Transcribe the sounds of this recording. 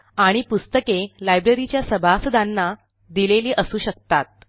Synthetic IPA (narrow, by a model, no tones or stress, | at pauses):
aɽ̃ipust̪əkelajbɾeɾit͡ɕjasəbʱasəd̪anːa | d̪ileliːʔəsuːɕək̚t̪at̪̚